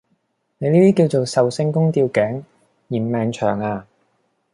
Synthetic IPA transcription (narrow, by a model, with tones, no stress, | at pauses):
ne˨˧jliː˥t̪iː˥ki˧wt͡ʃo˨wsɐ˨wsɪ˧ŋkʊ˥ŋt̪iː˧wkɛː˨˥ŋ | jiː˨˩mmɛː˨˧ŋt͡ʃʰœː˨˩ŋaː˧